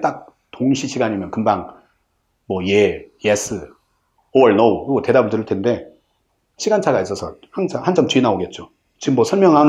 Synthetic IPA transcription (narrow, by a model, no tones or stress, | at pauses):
t͈ak̚ | toŋɕʰiɕʰiɡaɲimjʌnkɯmbaŋ | mʌjejes͈ʰɯ | oʌɭnouɡote̞dabuɭdɯɾɯɭtʰende̞ | ɕʰiɡant͡ɕʰaɡais͈ʌsʰʌ | haŋsʰaŋhant͡ɕʰamtuinaoɡe̞t̚t͡ɕ͈o | t͡ɕiɡɯmːwʌsʰʌɭmjʌŋɦan